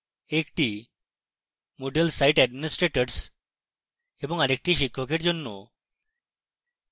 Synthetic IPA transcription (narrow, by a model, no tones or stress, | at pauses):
ekʈiː | moɖəlsaiʈæɖminisʈɾeʈəɾs | ebəŋaɾek̚ʈiːɕikʰɔkeʈd͡ʑɔnːo̰